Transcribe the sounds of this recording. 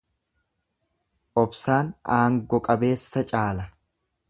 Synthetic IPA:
ʔɔbsaːnaːŋɡɔkʼɐbe̞ːsːɐt͡ʃʼaːlɐ

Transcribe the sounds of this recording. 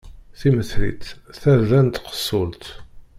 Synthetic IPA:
θiməθlḭt͡sθæðænt̪qə̥sˤːʊlt̪

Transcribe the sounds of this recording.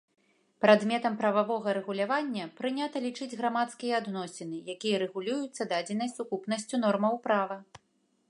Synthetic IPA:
pɾad̪mʲɛt̪ɐmpɾɐvavɔɣɐɾɛɣulʲavanʲːɐpɾɨnʲat̪ɐlʲit͡ʂɨd͡zʲɣɾamat̪skʲijɐad̪nɔsʲinɨjakʲijɐɾɛɣulʲujut̪sːɐd̪ad͡zʲɛnɐsʲt͡sʲukupnɐsʲt͡sʲunɔrmɐwpɾavɐ

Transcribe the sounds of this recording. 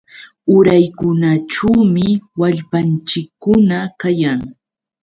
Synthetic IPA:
ʊɾajkʊnaʈ͡ʂuwmɪwaʎpant͡ʃɪkːʊnakajaŋ

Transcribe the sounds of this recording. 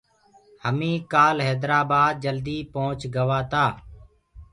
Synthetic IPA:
həmĩːkaːlɦɛːd̪ɾaːbaːd̪̚d͡ʒəld̪iːpõːʊt͡ʃɡəʋaːt̪aː

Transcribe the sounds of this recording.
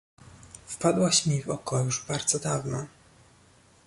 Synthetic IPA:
fpad̪waɕmʲivɔkɔjuʐbaɾd̪zɔd̪avnɔ̰

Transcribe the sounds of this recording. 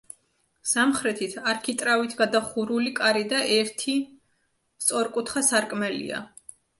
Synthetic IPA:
samχɾɛt̪ʰit̪ʰaɾkʰit̪ʼɾavit̪ʰɡad̪aχuɾulikʼaɾid̪aʔɛɾt̪ʰi | st̪sʼɔɾkʼut̪ʰχasaɾkʼmɛlḭa̰

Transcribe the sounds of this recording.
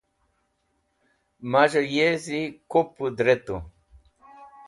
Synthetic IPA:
maʑəjezikopud̪ɾet̪u

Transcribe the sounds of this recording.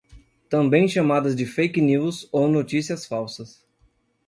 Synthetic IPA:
t̪ɐ̃mbẽj̃ʃamad̪ɐzd͡ʒɪfejkniwzownot͡ʃisiɐsfawsɐs

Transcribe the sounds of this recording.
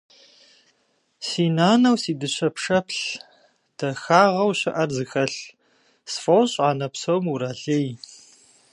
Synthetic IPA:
siːnaːnɐwsiːdɨɕʰɐpʂɐpɬ | d̥ɐxaːʁɐwɕɨʔɐrzɨxɐɬ | sfɐwɕʼaːnɐpsowmuɾaːɬej

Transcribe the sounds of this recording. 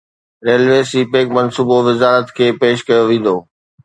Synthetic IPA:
ɾeːlʋeːsipeːkmɐnsuːboʋɪzaːɾət̪kʰeːpeːʃkɐjoʋẽːn̆d̪oː

